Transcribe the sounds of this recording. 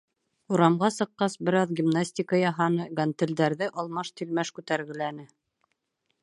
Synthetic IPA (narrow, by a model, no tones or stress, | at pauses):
uɾɑmʁɑsɤ̆qːɑsbɘ̆ɾɑðɡʲimnasʲtʲikəjɑɦɑnɤɡant̪ɘ̆ld̪æɾðɘʔɑlˠmɑʃt̪ilmæʃkʉt̪æɾɡɘ̆lænɘ